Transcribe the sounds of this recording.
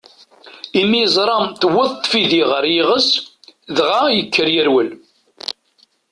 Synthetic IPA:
imːijzˤɾˤɑmt̪wəðˤtˤːfiðiʁəɾjɪʁəs | ðʁajəkːəɾjəɾwəl

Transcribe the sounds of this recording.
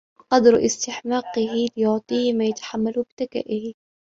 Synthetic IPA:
qɑd̪ɾʔɪ̰st̪ɪħmɑːqɪɦɪlɪjʊʕt̪ˤiːhmaːjat̪ḁħamːalbɪt̪aka̰ːʔɪhɪ

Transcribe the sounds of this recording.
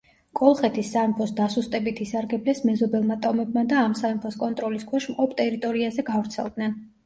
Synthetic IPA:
kʼɔlˠχɛt̪ʰisːampʰɔsd̪asust̪ʼɛbit̪ʰisaɾɡɛblɛsmɛzɔbɛlˠmat̪ʼɔmɛbmad̪aːmsaɛmpʰɔskʼɔnt̪ʼɾɔliskʰwɛʃmqʼɔpʰt̪ʼɛɾit̪ʼɔɾiazɛɡavɾt̪sʰɛ̰lˠd̪nɛn

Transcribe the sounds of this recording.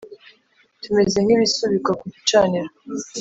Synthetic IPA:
tume̞ze̞ŋ̥iβisuβikakuɟut͡ʃaniɾa

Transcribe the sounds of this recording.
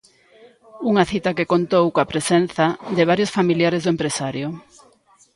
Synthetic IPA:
uŋɐθit̪ɐkekont̪owkõapɾesen̟θɐd̪eβ̞aɾjosfamiljaɾezðʊempɾesaɾjʊ

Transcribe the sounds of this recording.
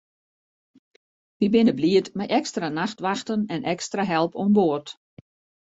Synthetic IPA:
ʋibɪnəbliətmajʔɛkstranaxtʋaxtənɛnʔɛkstraɦɛlˠpomboət

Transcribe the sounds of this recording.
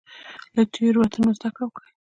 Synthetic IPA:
lət̪ʰeɾwat̪ʰanozd̪akawka

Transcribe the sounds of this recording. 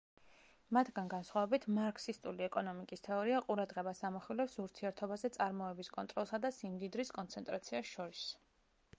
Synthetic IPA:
mat̪ʰɡanɡansχwavɛbit̪ʰmaɾkʰsist̪ʼuliɛkʼɔnɔmikʼist̪ʰɛɔɾiaqʼuɾad̪ʁɛbasamɔχilɛpsuɾt̪ʰiɛɾt̪ʰɔbazɛt̪sʼaɾmɔɛbiskʼɔnt̪ʼɾɔlˠsad̪asimd̪id̪ɾiskʼɔnt̪sʰɛnt̪ʼɾat̪sʰiasʃɔɾis

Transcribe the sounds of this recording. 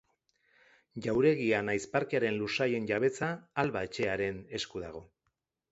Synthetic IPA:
ʝawɾe̞ɣianajspaɾkeaɾe̞nlusaje̞nʝaβe̞t͡saːlβae̞t͡ʃe̞aɾe̞ne̞skuðaɣ̞o̞

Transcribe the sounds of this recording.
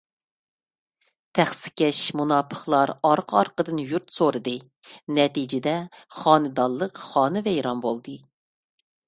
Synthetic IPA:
t̪ʰæχsɪ̥kʲɛʃmunɑːpʰə̥χlˠɑɾɑɾqʰɑɾqəd̪ɨnjuɾt̪soɾɨd̪ɨ | nɛt̪id͡ʒɪd̪ɛχɑːnɨd̪ɑlˠːəqχɑːnɨvɛjɾɑnbolˠd̪ɨ

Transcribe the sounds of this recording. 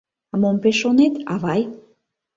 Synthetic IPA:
ɑmompeʃonet̪ɑβɑj

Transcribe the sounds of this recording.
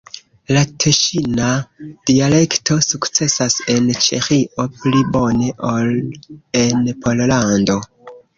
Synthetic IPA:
latʰeʃinad̥iale̞kto̞sukt͡se̞sase̞nt͡ʃe̞̰xiʔo̞plibo̞ne̞ʔolenpo̞llando̞

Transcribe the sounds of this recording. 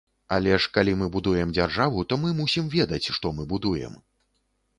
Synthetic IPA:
a̰lʲɛʂkalʲimɨbud̪ujɛmd͡zʲarʐavut̪ɔmɨmusʲimvʲɛd̪ɐt͡sʲʂt̪ɔmɨbud̪ujɛ̰m

